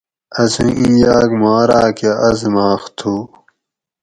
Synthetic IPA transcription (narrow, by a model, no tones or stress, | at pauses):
ɐsĩʔĩjaːkmaːɾaːkaʔɐzmaːxt̪ʰuː